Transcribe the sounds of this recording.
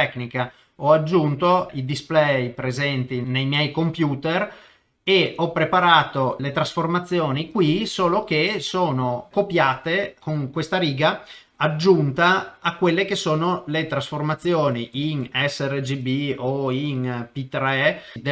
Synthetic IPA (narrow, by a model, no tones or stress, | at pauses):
ɛknika | ɔad͡ʒːunt̪oid̪isplɛjpɾezɛnt̪inejmjɛjkompjuːt̪er | eɔpːɾepaɾaːt̪olet̪ɾasformat̪sːjoːnikwisoːlok̟esoːnokopjaːt̪ekoŋkwest̪aɾiːɡaː | d͡ʒːunt̪aːkːwelːekesoːnolet̪ɾasformat̪sːjoːniʔinɛsːɛred͡ʒibioinpit̪ɾɛd̪e